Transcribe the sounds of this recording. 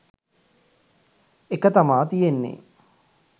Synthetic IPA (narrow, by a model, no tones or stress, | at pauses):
ekət̪amaːt̪ijenːḛ